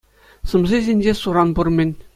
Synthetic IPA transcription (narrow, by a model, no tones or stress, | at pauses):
sɤ̆mzezʲenʲd͡ʑesuɾɑnburmʲɘ̆nʲ